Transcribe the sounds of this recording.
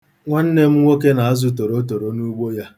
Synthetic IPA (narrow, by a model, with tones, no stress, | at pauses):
ŋʷa˦n̩˦ne˦m̩˦ŋʷo˦ke˦na˨a˦zʊ˨t̬o˨ɾo˦to˨ɾo˨nu˦ɡ͡bo˦ja˦